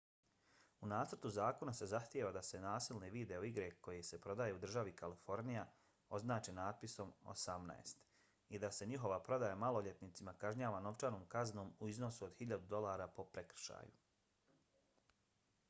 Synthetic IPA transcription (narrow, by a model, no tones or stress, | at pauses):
unaːt̪r̩t̪uzaːko̞nase̞zaxt̪jeʋad̪ase̞naːsilˠneʋid̪e̞oiɡɾe̞ko̞jese̞pɾo̞d̪aːje̞ud̪r̩ʒaʋikalifo̞ɾnija | o̞znaːt͡ʃenaːd̪̚piso̞mo̰samna̰ḛst̪ | id̪ase̞ɲiɦo̞ʋapɾo̞d̪ajamalˠo̞ʎe̞t̪nit̪simakaʒɲaːʋano̞ʋt͡ʃanoːmkazno̞ːmuizno̞suod̪hiʎad̪ud̪o̞lˠaːɾapo̞pɾe̞kr̩ʃa̰ːju